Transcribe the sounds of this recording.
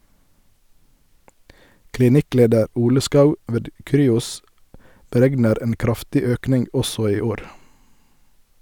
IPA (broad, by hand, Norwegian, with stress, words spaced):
klɪˈnɪˌkleːdəɾ ˈuːlə ˈskɑʉ ˈʋeːd ˈkɾyːʊs bəˈɾɛɡnəɾ ˈeːn ˈkɾɑftɪ ˈøːknɪŋɡ ˈɔsɔ ˈiː ˈoːɾ